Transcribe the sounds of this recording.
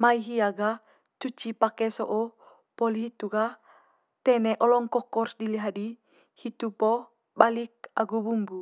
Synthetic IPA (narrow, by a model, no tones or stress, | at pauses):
maiɦiaɡa | t͡ʃut͡ʃipakɛsoʔo | pɔliɦit̪uɡa | t̪ɛnɛʔɔlɔŋkɔkɔrsdiliɦadi | hit̪upɔ | balik̚a̰ɡubumbu